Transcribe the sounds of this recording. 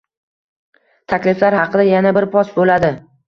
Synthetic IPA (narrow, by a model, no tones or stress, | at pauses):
t̪ʰakʲlɪflaɾhɑqʰɨd̪ajanabɪɾpʰɒsbolad̪ɪ